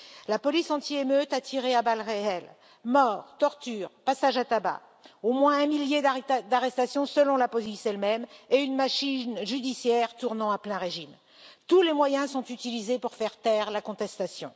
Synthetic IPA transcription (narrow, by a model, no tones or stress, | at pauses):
lapɔlisɑ̃t̪iemøt̪at̪ʰiʁeabalʁeɛl | mɔːʁt̪ɔʁt̪yːʁpasaʒat̪aba̰ | omwɛ̃ɛ̃miljed̪d̪aʁɛst̪asjɔ̃səlɔ̃lapɔzisɛlmɛmeynmaʃinʒyd̪isjɛʁt̪uʁnɑ̃aplɛ̃ʁeʒim | t̪ulemwajɛ̃sɔ̃t̪yt̪ilizepuʁfɛʁt̪ɛʁlakɔ̃t̪ɛst̪asjɔ̰̃